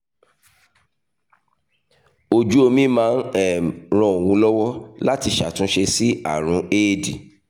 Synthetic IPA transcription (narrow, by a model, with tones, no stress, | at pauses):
o˨d͡ʒu˦o˧mĩ˦mãː˨˦n˦ɛ˦˨ɾ̃ɔ̃˧˨o˨wũ˧˦lɔ˦wɔ˦la˦ti˧˨ʃa˨tũ˦ʃe˧si˦a̰˦˨ɾ̃ũ˨˦eː˦˨di˨